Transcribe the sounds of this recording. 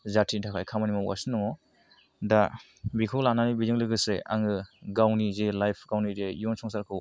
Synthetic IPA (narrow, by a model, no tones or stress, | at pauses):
zatʰintʰakʰajkʰamanimawa̰sɯnɯŋɔ | da | bikʰɔwlananibizɯŋlɯɡɯsea̰ŋɯɡawnizelajpʰɡ̥awnidejɔnsɔŋsaɾkʰɯw